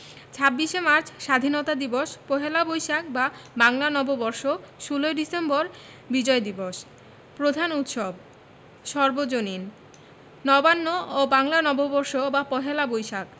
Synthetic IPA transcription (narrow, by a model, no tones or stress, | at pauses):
t͡ɕʰabːiʃemaɾt͡ɕʰʃad̪ʱinot̪ad̪iboʃpɔɦelabojʃak̚babaŋlanɔbobɔɾʃoʃuloeɖisemboɾ | bid͡ʑɔed̪iboʃ | pɾod̪ʱanut̪ʃob | ʃɔɾbod͡ʑonin | nɔbanːoobaŋlanɔbobɔɾʃobapɔɦelabojʃak̚